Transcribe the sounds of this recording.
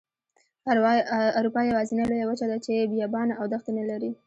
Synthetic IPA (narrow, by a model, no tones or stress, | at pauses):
aɾupɑjawɑzinalojawət͡ʃad̪at͡ʃebijɑbɑnaawd̪axt̪analaɾi